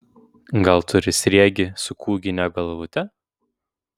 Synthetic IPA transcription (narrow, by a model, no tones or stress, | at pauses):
ɡɐlˠt̪ʊɾʲɪsʲɾʲiɛɡʲɪsʊkʰuːɡʲɪnʲɛɡɐlˠʋʊt̪ʲɛ